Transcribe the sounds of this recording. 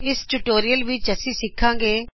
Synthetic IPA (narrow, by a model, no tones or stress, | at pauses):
ɪsʈuʈoːɾijəlʋit͡ʃəsiːsɪkʰːãːŋɡeː